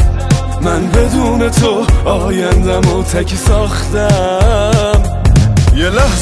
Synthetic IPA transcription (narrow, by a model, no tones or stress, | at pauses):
mænbe̞d̪uːne̞t̪ʰo̞ɒːjænd̪æmot̪ʰækʰisɒːχt̪æ | m | jelæh